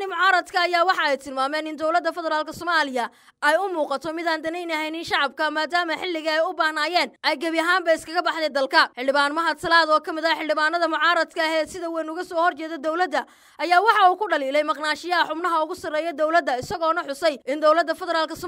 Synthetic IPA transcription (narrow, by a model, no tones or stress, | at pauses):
nɪmʊʕɑːɾɐd̪kʰɐːjaːwɑħɑɛjt̪ʰɪlmaːmɛːnɪnd̪ɔwlɐd̪ːɐfɛðɛɾaːlkʰɐsɔːmaːlɪjɐ | ɛjʊmuːqɑt̪ʰɔmɪðaːnd̪ɐnɛjnɐɦɛjnɪnʃɑʕɑb̚kʰɐmaːd̪aːmɐħɪlːɪɣɐɛjʊbaːhnaːjɛːnʔɛjɡɐβjɐɦaːmbɐɪskʰɐɣɐbɑħd̪ɛjd̪ɐlkʰɐħɪlɖɪβaːnmɐɦɐt̪ʰɐlaːðɔːkʰɐmɪðɐħɪlɖɪβaːnɐðɐmʊʕɑːɾɐd̪kʰɐɦɛːsɪðɐwɛnʊɣɐsɔːhɔrt͡ʃɛːðɛd̪ɔwlɐd̪ːɐ | ʔɐjaːwɑħɑuːkʰʊɖɐliːlɛjmɐqnaːʃɪjɐɐħʊbnɐɦɐʊɣʊsɐrɛːjɛd̪ɔwlɐd̪ːɐɪsɐɣɔːnɐħʊsɛjɪnd̪ɔwlɐd̪ːɐfɛðɛɾaːlkʰɐsɔ